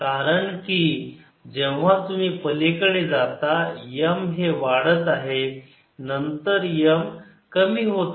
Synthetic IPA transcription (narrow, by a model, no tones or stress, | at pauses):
kaɾəɳki | d͡ʑɛʋ̤at̪um̤iːpəlekəɭed͡zat̪ajəmɦeʋaɽət̪aɦe | nənt̪əɾjəm | kəmiːɦot̪